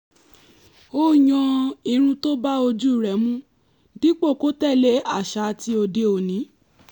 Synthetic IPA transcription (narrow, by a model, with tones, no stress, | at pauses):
o˦˨j̃ɔ̃˧i˨ɾ̃ũ˧to˦ba˦o˧d͡ʒu˦˨ɾɛ˨˦mũ˦ | di˦k͡po˦˨ko˦tɛ˦˨le˨˦a˦˨ʃa˧˦˧ti˦o˧de˧o˨nĩ˨˦